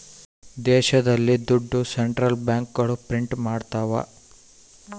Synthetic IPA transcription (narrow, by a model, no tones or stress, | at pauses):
d̪eɕəd̪alːid̪uɖʱːoseɳʈɾəlbãŋkːəɽopɾiɳʈmaɽt̪aʋa̰